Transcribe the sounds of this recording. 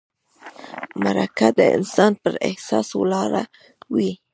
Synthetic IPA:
maɾakad̪eḛnsanpəɾḛhsasulaɾa | wi

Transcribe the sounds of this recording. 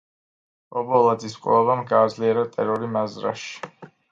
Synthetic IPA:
ɔbɔlˠad̪ziskʼlɔvamɡaːd̪zliɛɾat̪ʼɛɾɔɾimazɾa̰ʃi̥

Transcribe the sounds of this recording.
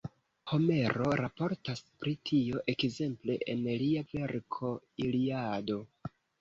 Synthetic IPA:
ho̞me̞ɾo̞ɾapo̞ɾtaspɾitʰio̞ʔe̞kze̞mple̞ʔenliave̞ɾkʰo̞iliado̞

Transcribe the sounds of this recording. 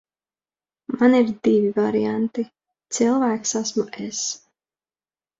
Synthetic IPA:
maniɾd̪ivivaɾiant̪i | t̪silˠvæːksasmuʔes

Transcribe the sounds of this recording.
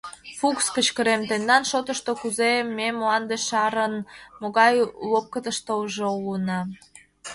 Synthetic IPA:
fukskət͡ɕkəɾemt̪end̪ɑnʃot̪ə̆ʃt̪okuzemːemoɑnd̪eʃɑɾənmoɣɑjlop̚kət̪əʃt̪oʒoulənɑ

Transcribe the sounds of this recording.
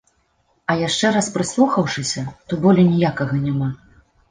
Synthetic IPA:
ɐjaʂt͡ʂɛɾaspɾɨslˠuxɐwʂɨsʲɐt̪ɔbɔlʲɛnʲijakɐɣɐnʲama

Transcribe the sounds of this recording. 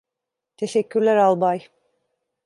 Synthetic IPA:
t̪ʰeʃɛcʰːyɾlʲæɾalˠbaj

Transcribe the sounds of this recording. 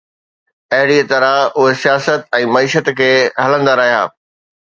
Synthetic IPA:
ɐɦɪɽit̪ɐɾãʊɦesijaːsət̪̚ɛ̃ːmɐiːʃət̪kʰeːɦɐlə̃nd̪aɾɐɦija̰ː

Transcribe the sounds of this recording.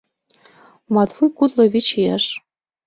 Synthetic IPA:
mɑt̪vujkut̪lɤ̆βit͡ɕiæʃ

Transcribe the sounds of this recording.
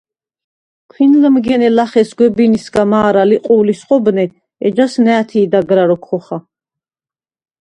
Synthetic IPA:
kʰwinləmɡɛnɛlaχɛsɡwɛbinisɡamaːɾaliqʼuːlisqʼɔbnɛ | ɛd͡ʒasnɛːt̪ʰiːd̪aɡɾaɾɔkʰχɔχa

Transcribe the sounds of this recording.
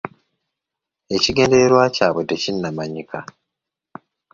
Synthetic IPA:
e̞ciɡe̞ːndeɾeɾwaːcaːβodːecinːamaɲikʰa

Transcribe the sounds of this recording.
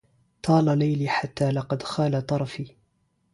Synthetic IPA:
t̪ʰˤɑːlalajliːħat̪ːaːlɑqɑd̪xaːlat̪ˤɑɾˤɑfiː

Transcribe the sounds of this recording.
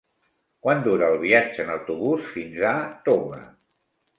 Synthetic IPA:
kwand̪uɾəːlˠβ̞iad͡ʒəːnəwt̪uβusfinzat̪omə̰

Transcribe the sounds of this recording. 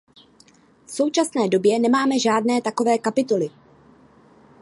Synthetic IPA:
fso̞wt͡ʃasnɛːdobjɛnɛmaːmɛʒaːdnɛːt̪ako̞vɛːkapɪt̪olɪ

